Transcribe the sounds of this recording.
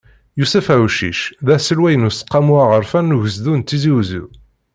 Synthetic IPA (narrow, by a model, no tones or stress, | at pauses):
jusæfæuʃḭʃðæsəlwæjənusə̥qːɑmuaʁəɾfænːuʝəzðunt̪ːiziwzṵ